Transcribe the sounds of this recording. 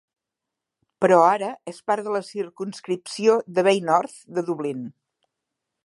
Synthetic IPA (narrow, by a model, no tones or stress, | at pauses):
pəɾɔaɾəespaɾðələsiɾkunskɾipsioðəβejnɔɾθd̪əðuβlin